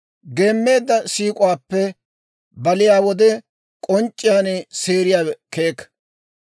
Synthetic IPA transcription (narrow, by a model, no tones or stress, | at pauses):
ɡe̞ːmːe̞ːd̪ːɐsiːkʼʊwaːpːɛ | bɐlɪjaːwɔd̪ɛ | kʼɔnt͡ʃʼːɪjaːneseːɾɪjaːke̞ːkː